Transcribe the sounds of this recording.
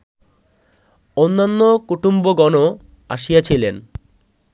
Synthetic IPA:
onːanːokuʈumboɡɔno | a̰ʃijat͡ɕʰilen

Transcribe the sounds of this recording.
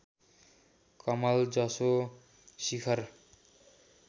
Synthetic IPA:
kʌmald͡zʌso | sikʰʌr

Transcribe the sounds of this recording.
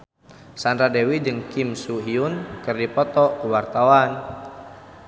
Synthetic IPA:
sandɾadɛwid͡ʒəŋkimsuɦiunkɨrdipɔt̪ɔkəwart̪awan

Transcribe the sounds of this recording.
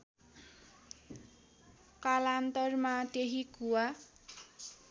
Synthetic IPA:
kalant̪ʌrmat̪eɦiɡuwa

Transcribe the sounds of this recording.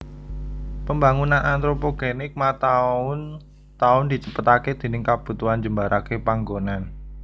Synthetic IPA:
pəmbaŋunanʔant̪ɾopoɡ̥enɪk̚mat̪aʊn | t̪aʊnd̪i̤t͡ʃəpət̪aked̪̥e̤nɪŋkab̥ṳt̪uand͡ʒəmbaɾʔakepaŋɡonan

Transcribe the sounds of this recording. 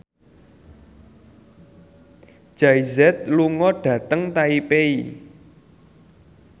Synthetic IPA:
ʒ̥aizɛt̪̚luŋɔɖ̥ä̤t̪əŋt̪aipei

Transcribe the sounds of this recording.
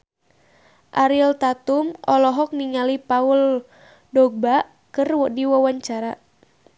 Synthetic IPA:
ʔaɾilt̪at̪umɔlɔɦɔk̚niŋalipaul | dɔɡ̚ba | kɨrwɔdiwawaɲt͡ʃaɾa

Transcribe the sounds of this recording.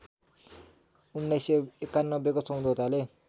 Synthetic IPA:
unːʌjseekːanːʌbːekosʌw̃d̪ʱot̪ale

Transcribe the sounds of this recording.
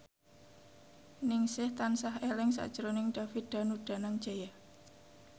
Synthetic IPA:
nɪŋsɪht̪ansaɦelɪŋsa̰ʔd̥ʒ̥əɾonɪŋɖ̪̥afid̪̥a̤nuɖ̥a̤naŋd͡ʒ̥aja

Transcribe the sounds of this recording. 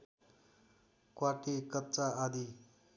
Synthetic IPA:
kwaʈikʌtːt͡saʔad̪i

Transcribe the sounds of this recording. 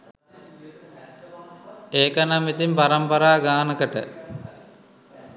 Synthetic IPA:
eːkɐnɐmit̪impɐɾɐmpɐɾaːɡaːnɐkɐʈə̰

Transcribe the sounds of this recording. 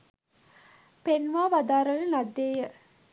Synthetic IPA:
penʋaːʋad̪aːɾələnad̪ːeːjə

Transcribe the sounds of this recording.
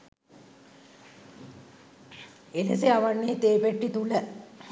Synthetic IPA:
elḛseaʋanːeːt̪eːpeʈːit̪ulə

